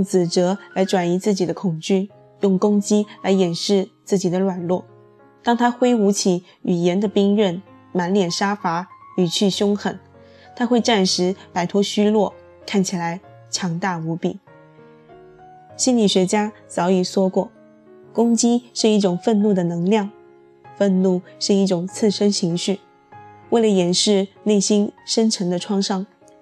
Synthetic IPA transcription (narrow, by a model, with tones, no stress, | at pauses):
ŋt͡sɹ̩˨˩ʈ͡ʂɤ˧˥la˧˥ɪʈ͡ʂwa˨˩ni˧˥t͡sɹ̩˥˩t͡ɕi˨˩d̪ə˦kʰʊ˨˩ŋt͡ɕy˥ | jʊ˥˩ŋkʊ˥ŋt͡ɕi˥la˧˥ɪjɛ˨˩nʂɻ̩˥˧t͡sɹ̩˥˩t͡ɕi˨˩d̪ə˦lwa˨˩nlwɔ˥˩ | t̪ɑ˥˧ŋt̪ʰa˥xwe˥ɪu˧˥t͡ɕʰi˨˩ | y˨˩jɛ˧˥nd̪ə˧pi˥ŋɻə˥˩n | ma˧˥nljɛ˨˩nʂa˥fa˧˥y˨˩t͡ɕʰy˥˩ɕjʊ˥ŋxə˨˩˦n | t̪ʰa˥xwe˥˧ɪʈ͡ʂa˥˩nʂɻ̩˧˥pa˨˩ɪt̪ʰwɔ˧˥ɕy˥lwɔ˥˩ | kʰa˥˩nt͡ɕʰi˨˩la˧˥ɪ | t͡ɕʰjɑ˧˥ŋt̪a˥˩u˧˥pi˨˩˦ | ɕi˥nli˨˩ɕɥɛ˧˥t͡ɕja˥t͡sɑ˧˥ʊi˨˩swɔ˥kwɔ˥˩ | kʊ˥ŋt͡ɕi˥ʂɻ̩˥˧i˥˩ʈ͡ʂʊ˨˩ŋfə˥˧nnu˥˩d̪ə˩nɤ˧˥ŋljɑ˥˧ŋ | fə˥˧nnu˥˧ʂɻ̩˥˧i˥˩ʈ͡ʂʊ˨˩ŋt͡sʰɹ̩˥˩ʂə˥nt͡ɕʰi˧˥ŋɕy˥˩ | we˥˩ɪlə˩jɛ˨˩nʂɻ̩˥˧ne˥˩ɪɕi˥nʂə˥nʈ͡ʂʰə˧˥ŋd̪ə˧ʈ͡ʂʰwɑ˥˧ŋʂɑ˥ŋ